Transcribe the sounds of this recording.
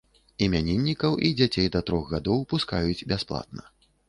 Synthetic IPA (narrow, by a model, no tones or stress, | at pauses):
imʲanʲenʲːikɐwʔid͡zʲat͡sʲejd̪ɐt̪ɾɔxɣad̪ɔwpuskajut͡sʲbʲasplˠa̰t̪̚nɐ